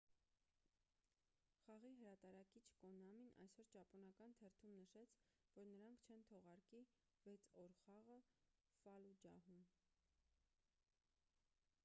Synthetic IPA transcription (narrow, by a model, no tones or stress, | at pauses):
χɑʁiɦəɾɑt̪ɑɾɑkit͡ʃʰkɔnɑminʔɑ̰jsɔɾt͡ʃɑpɔnɑkɑnt̪ʰɛrt̪ʰumnəʃɛt͡sʰ | vɔɾnəɾɑŋkʰt͡ʃʰɛnt̪ʰɔʁɑɾki | vɛt͡sʰɔɾχɑʁə | fɑlud͡ʒɑ̰ɦum